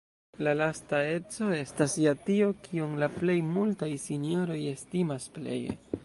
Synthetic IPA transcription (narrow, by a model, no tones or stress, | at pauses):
lalastae̞t͡so̞e̞stasjatio̞kʰiuŋlaple̞jmultajsinijo̞ɾo̞je̞stimasple̞̰jḛ